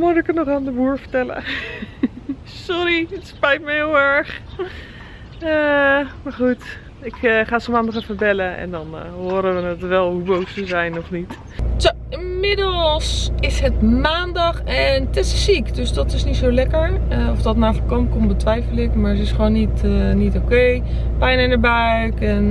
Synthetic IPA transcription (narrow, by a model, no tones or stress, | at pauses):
mʊdɪkətnɔχandəbuːɹfəɹtɛlə̰ | sɔɾiətspɛjtməɦɪːlˠɛɹχ | əmaɹχut | ɪkχaːsomaːndɔχəfəɹbɛləɛ̰ndɔnɦoːɾəʋənətʋɛlˠɦubowsəzɛjnɔfnit | to | ɪmɪdəlˠsɪsɦətmaːndɔxɛntɪsɪsikdøsdɔtɪsnitsowlɛkəɹəɔfdɔtmaːfɔkɔnkombətʋɛjfəlɪkmaːɹətɪsxʋoːnːitnitokej | pɛjnənəɹbœ | kɛn